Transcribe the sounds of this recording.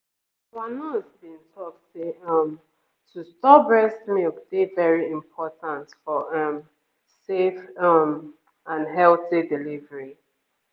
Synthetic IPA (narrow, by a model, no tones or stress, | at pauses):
wanɔsbĩntʰɔkseʌm | tustɔbɹɛsmikd̥ivɛɹiĩmpʰɔtãntfɔʔʌm | sefʌm | ãnɦɛlθidilivəɹi